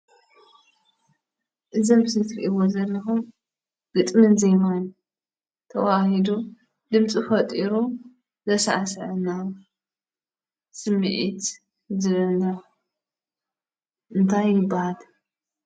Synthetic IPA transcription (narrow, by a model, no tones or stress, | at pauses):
ʔɨzombɨsɨt̪ʰɾiʔiwozɐlːɐxum | ɡ̥ɨt̪ʼmɨnzɐjmojn | t̪ʰɐwahid̪u | d̪ɨmt͡sʼifɐt̪ʼiɾu | zɐsaʕasɨʕɨna | sɨmːɨʕit̪ | zɨβɨlna | ʔɨnt̪ʰajːɪbːahal